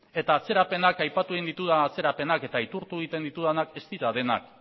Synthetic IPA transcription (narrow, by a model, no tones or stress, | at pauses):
e̞t̪aːt͡se̞ɾape̞nakajpat̪ueind̪it̪uðaːt͡se̞ɾape̞nake̞t̪ait̪uɾt̪ueɣit̪e̞nd̪it̪uðanake̞st̪iɾaðe̞na̰k